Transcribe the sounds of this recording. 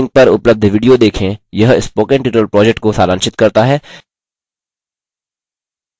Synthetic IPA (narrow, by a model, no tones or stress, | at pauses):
ŋɡ̚pɐɾʊpləb̚d̪ʱʋiːɖijod̪eːkʰẽjɐɦɪspoːkẽɳʈiːʈəlpɾɔːd͡ʒɛk̚ʈkosaːɾãːnʃɪt̪kɐɾt̪aɦɛː